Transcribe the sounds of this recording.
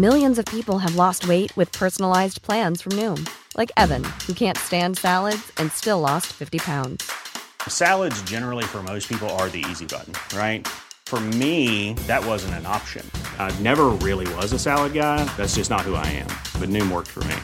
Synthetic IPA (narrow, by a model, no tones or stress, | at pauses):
mɪlˠjɨ̃nzʌv̥pipl̩ˠɨvlɔst̚weɪʔ̚wɨð̥pʰɜ˞sn̩l̩aɪzpʰl̥æ̃nz̥fɹʌ̃mnʉ̃mlʔaɪkɛvɨ̰̃nhukʰæ̃ntstæ̃nd̥sælˠədz̥ɨ̃nstɪlɔstfɪftipʰãʊ̃ndz̥sælˠədzd͡ʒɛnə˞l̩ˠifə˞moʊspʰipl̩ˠə˞ðḭḭzibʌ̰ʔn̩ɹaɪt̚ | fə˞miðɨt̚wʌzɨ̃n̩tɨ̃nɑ̰pʃɨ̰̃nnɛvə˞ɹɪlˠiwʌzəsælˠəd̚ɡaɪðætsd̥ʒ̥ʌsnət̚hua̰ɪɨ̰̃mb̥ʌt̚ⁿnʉ̃mwɜ̰˞k̚tfə̰˞mḭ